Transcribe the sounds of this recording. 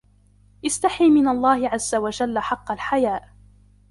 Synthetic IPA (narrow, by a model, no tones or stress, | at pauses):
ʔɪst̪aħiːmɪnalˤːɑːhɪʕazːawad͡ʒalːaħɑqːɑlħajaːʔ